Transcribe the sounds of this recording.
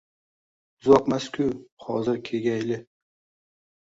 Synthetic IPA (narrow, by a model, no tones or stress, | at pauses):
zɒkmaskʰʲʊhɒzɪɾkʲʰeɡʲajlɪ